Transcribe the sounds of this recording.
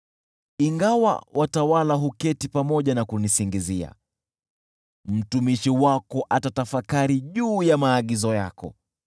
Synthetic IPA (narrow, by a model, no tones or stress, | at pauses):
iŋɡawa̰wʔatawalaɦukɛtipamɔʄanakunisiŋɡizia̰ | m̩tumiʃiwakɔʔatatafakaɾiʄuːjamaːɠizɔjakɔ̰